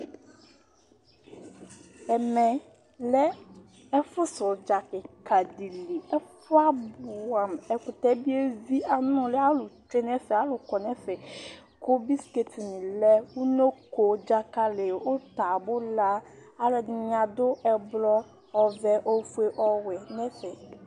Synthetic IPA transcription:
ɛ˨mɛ˨ | lɛ˦ | ɛ˦fʊ˦sʊ˨d͡ʒa˨ke˨ka˨di˨li˨ɛ˦fʊ˦a˦bʊ˨wa˨mɛ˨kʊ˨t̪ɛ˦bi˦e˦vi˦ʔa˨nʊ̃˦lɛ˦a˦lʊ˨t͡ʃe˦nɛ˦fɛ˨a˨lʊ˨kɔ˨nɛ̃˦fe˨ | ko˦bi˦ske˦ti˨nĩ˨lɛ˦wu˦no˦ko˨˦d͡ʒa˦ka˦le˨o˦t̪a˨bʊ˦la˦a˦lɛ˨ɲã˨d̪ʊ˦ʔɛ˨blɔ˦ | ɔ˦vɛ˦ʔo˦fu˦e˦ʔɔ˦wɛ˨nɛ̃˦fɛ˨

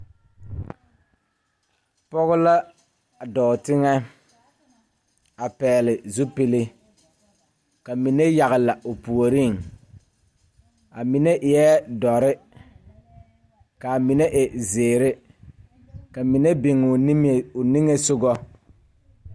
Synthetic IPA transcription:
pɔ˦ɣʊ˦la˦˨ | dɔː˨tɪ˦ŋɛ˦ | a˨pɛː˨lɪ˨zu˦pɪ˦lɪ˦ | ka˨mi˨ne˦ja˨ɣɪ˨la˨ʊ˨pu˨o˨ɾi˦˨ŋ | a˨mi˨ne˦ʔɪ˨jɛ˦dɔ˨ɾɪ˦ | ka˨mi˨ne˦ʔe˨zeː˨ɾɪ˦ | ka˨mi˨ne˦bɪ˨ŋʊ˨˦˨ʊ˨ni˦ŋe˦sʊ˦ɡɔ˦

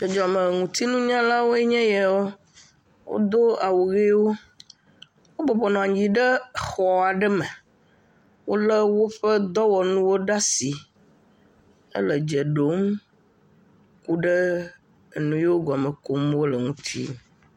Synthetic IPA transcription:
d͡ʒɛ˨d͡ʒɔ˨a˨mə˨ŋũ˨t̪i˦nũ˦ɲã˦la˦wo˦e˦ɲɛ̃˦jɛ˨wo˦ | wo̰˦d̪o˦a˨wo˨ɣe˦wo˦ | wo˦bɔ˨bɔ˨nɔ̃˨a˨ɲ˦d͡ʑi˨ɖə˦xɔ˨a˨ɖə˦mə˨ | wo˦lə˦wo˦ɸə˦d̪ɔ˦wɔ˨nũ˦wo˦ɖa˦si˨ | ə̰˦lə˨d͡ʒɛ˨ɖo˦m | ku˦ɖə˦˨ | nũ˨˦je˦wo˦ɡɔ˨mə˨ko˨mwo˦lə˨ŋũ˨t̪ʰḭ˦

